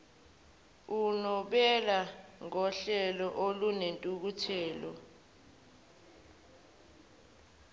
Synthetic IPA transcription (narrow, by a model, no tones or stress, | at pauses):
unɔɓɛlaŋɔɬɛlɔʔolunentʼuk̬utʰɛːlɔ̰